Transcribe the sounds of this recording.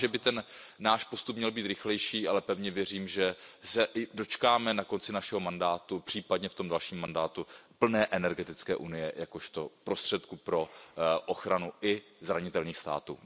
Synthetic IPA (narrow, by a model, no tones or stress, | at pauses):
ʒɛbɪt̪ɛnːaːʃpo̞st̪upmɲɛlbiːt̪ɾɪxlɛjʃiːʔalɛpɛvɲɛvjɛr̝iːmʒɛsɛʔɪdo̞t͡ʃkaːmɛnako̞nt͡sɪnaʃɛɦo̞mandaːt̪upr̥iːpadɲɛft̪o̞mdalʃiːmːandaːt̪upl̩nɛːʔɛnɛɾɡɛt̪ɪt͡skɛ̰ːʔunɪjɛjako̞ʃt̪o̞pɾo̞st̪r̝̥ɛt̪kupɾo̞ʔoxɾanuʔɪzɾaɲɪt̪ɛlɲiːxst̪a̰ːt̪ṵː